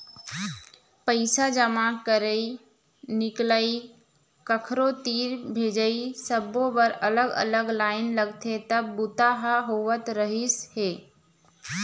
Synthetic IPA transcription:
pəɪsad͡ʒəmakəɾəi | nɪkləi | kəkʰɾot̪iːɾbʱed͡ʒəisəbõbəɾələɡə̰ləɡlaːɪnləɡt̪ʰet̪əbːʊt̪aɦaɦowət̪ɾəɦisheː

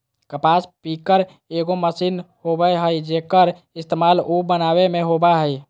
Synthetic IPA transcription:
kəpaspikəɾ | eɡoməsinhobəɦəjd͡ʒekəɾ | ist̪emalubənaβemeɦobaɦəj

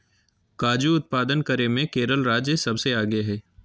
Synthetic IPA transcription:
kaːd͡ʒuʊt̪̚paːd̪ənkəɾemẽkeːɾəlɾaːd͡ʒjəsɐbseaːɡeɦɛː

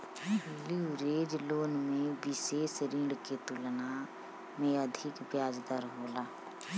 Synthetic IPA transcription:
liuɾeːd͡ʒloːnmẽʋɪʃeːsɾĩɳɖket̪ulna | mẽəd̪ʱɪkbjaːd͡ʒd̪əɾɦoːlaː

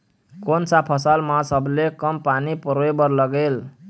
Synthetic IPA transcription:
konsapʰʌsalmãsʌblekʌmpanipɾoebʌɾlʌɡel

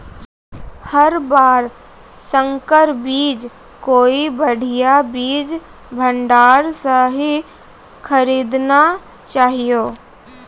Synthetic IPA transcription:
həɾbaːɾ | sə̃ŋkəɾbiːd͡ʒ | koːibəɽ̤ʱijabiːd͡ʒ | bʱə̃ɳɖaːɾsəɦi | kʰəɾiːd̪na | t͡ʃaːɦijoː

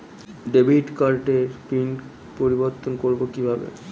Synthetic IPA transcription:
ɖebʱiʈkaɾʈeɾpin | poɾiboɾt̪ːonkoɾbokibʱabḛ

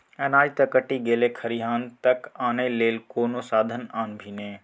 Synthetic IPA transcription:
ɛ̃ːnaːd͡ʒt̪ɐkɐʈiɡeːlekʰɐɾiɦaːnt̪ɐkaːneːleːlkoːnosaːd̪ʱənaːnbʱiːnẽː

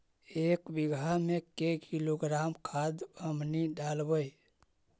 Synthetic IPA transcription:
ekbiɡʱamekekiloɡɾamkʰad̪əmniɖalbəj

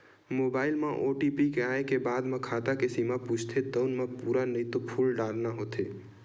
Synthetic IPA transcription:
moːbaːɪlmãʔoʈipikeaːẽkebaːd̪mãkʰaːt̪akesimaput͡ʃʰt̪ʰet̪əʊnmãpuːɾanəĩt̪opʰuːlɖaːɾnaɦot̪ʰe

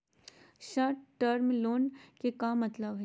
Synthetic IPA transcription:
ʃəɾʈʈəɾmloːnkekaːmːɐt̪ləbɦɛ

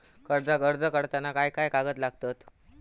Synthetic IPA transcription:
kəɾd͡zaɡəɾd͡zəkəɽt̪anakajkajkaɡət̪laɡt̪at̪

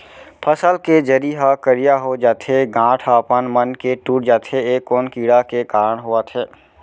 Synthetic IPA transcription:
pʰəsəlked͡ʒəɾiɦakəɾijaɦod͡ʒaːt̪ʰeɡãːʈʰaːpənmənkeʈuːʈ̚d͡ʒaːt̪ʰeeːkːoːnkiːɽakekaːɾəɽ̃ɦuat̪ʰɛː

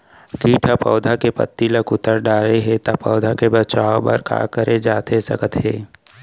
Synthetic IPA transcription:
ɡiːʈʰapɔ̰ːd̪ʱakepə̰t̪ːiləkʊt̪əɾɖaːleɦet̪apɔːd̪ʱakebət͡ʃaːoba̰ːɾka̰ːkəɾed͡ʒaːt̪esɐ̰kət̪ɦeː

